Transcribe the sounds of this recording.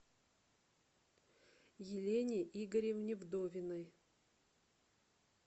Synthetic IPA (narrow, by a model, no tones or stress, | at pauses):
jɪlʲenʲɪʔiɡəɾʲevnʲɪvd̪ovʲɪnɨj